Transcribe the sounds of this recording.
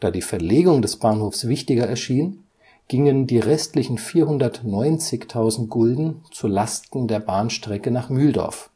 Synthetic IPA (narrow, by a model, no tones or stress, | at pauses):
d̥aːdiːfɛɐleːɡʊŋdɛsb̥aːnhoːfsv̥ɪçtɪɡɐɛɐʃiːn | ɡ̥ɪŋəndiːʁɛstlɪçn̩fiːɐɦʊndɐtnɔʏnt͡sɪçtʰaʊzn̩t̚ɡ̥ʊldn̩t͡sulastn̩deːɐbaːnʃtʁ̥ɛkənaːχmyːldɔ̰ɐf